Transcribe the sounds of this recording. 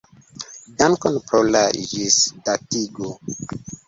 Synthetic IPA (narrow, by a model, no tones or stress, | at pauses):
dankɔnpɾolaʒisdatiɡo